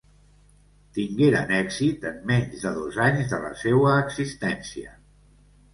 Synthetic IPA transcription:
t̪iŋɡeɾə̰nɛɡzit̪əmːɛɲzðəðozaɲzðələ̰sewəːksist̪ɛnsiə̰

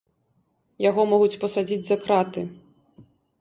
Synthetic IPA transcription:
jaɣɔmɔɣut͡sʲpɐsad͡zʲid͡zʲzɐkɾat̪ɨ

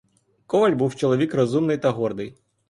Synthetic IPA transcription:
kɔʋɐlʲbuwt͡ʃɔlˠɔʋʲikrɔzumnɪjt̪ɐɦɔrd̪ɪj

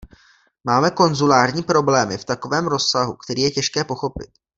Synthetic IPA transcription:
maːmɛko̞nzulaːrɲiːpɾo̞blɛːmɪft̪ako̞vɛːmɾo̞sːaɦukt̪ɛɾiːjɛcɛʃkɛːpo̞xo̞pɪ̰t̪

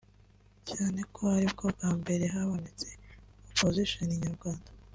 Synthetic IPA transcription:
caːne̞kʰo̞aɾibɡob̚ɡaːmbe̞ɾe̞ɦaβonet͡se̞opoziʃoniɲaɾɡwaːndḁ

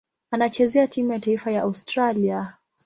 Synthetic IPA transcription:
anat͡ʃɛzɛatimujataifajaʔaustɾalia

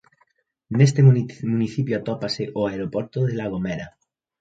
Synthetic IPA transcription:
nes̬t̪emuniθipjoat̪ɔpaseʔoaeɾopɔɾt̪oðelaɣ̞omeɾa

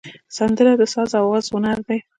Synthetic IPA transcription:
sand̪əɾad̪əsɑzawɑzhʊnaɾd̪aj

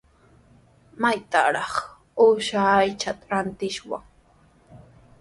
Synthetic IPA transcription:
majt̪a̰ɾɑχ | ʊʃaːjt͡ʃat̪aɾant̪ɪʃwa̰ŋ

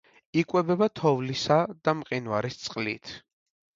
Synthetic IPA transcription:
ikʼwɛbɛbat̪ʰɔvlisad̪̥amqʼinvaɾist̪sʼqʼlḭt̪ʰ

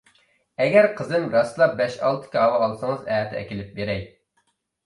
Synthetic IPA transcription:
ɛɡʲɛɾqʰəzɪmɾɑslˠɑbɛʃɑlˠt̪ʰɨ̥kʲɑɑwɑɑlˠsɨŋɨzɛːt̪ʰɛɛ̰kʲilɪp̚beɾɛj

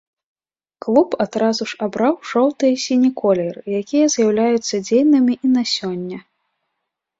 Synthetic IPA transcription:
klˠupad̪̥ɾazuʂabɾawʂɔwt̪ɨjɛsʲinʲikɔlʲɛrɨjakʲijɐzʲjawlʲajut̪sːɐd͡zʲejnɐmʲiʔinasʲɔnʲːɐ

